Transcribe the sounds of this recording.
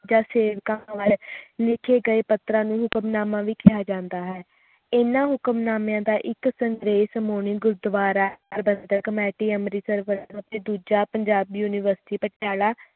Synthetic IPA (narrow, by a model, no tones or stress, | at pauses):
d͡ʒaːseːʋkãʋəllɪkʰeːɡəeːpət̪ːɾãːnũːɦʊkəmnaːmãːʋiːkɪjaːd͡ʒãːnd̪aːɦɛː | ɪnãːɦʊkəmnaːmjãːd̪aːʔɪksəŋɡɾeːsmoːɳ̃iːɡʊɾd̪ʋaːɾaːəɾbənd̪əɾkəmɛːʈiːəmɾiːsəɾʋəɾnət̪eːd̪uːd͡ʒaːpəɲd͡ʒaːbjuːnɪʋəɾsʈiːpəʈaːlaː